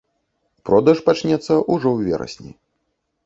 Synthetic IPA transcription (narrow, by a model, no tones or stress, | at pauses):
pɾɔd̪ɐʂpat͡ʃnʲɛt̪sːɐʔuʐɔwvʲɛ̰ɾɐ̰sʲnʲḭ